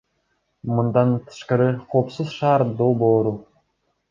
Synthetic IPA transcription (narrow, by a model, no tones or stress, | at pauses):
mɯnd̪ɑnt̪ʰɯ̥ʃqɑɾɪqʰo̞ːpsuzʃɑːɾd̪olˠboːɾu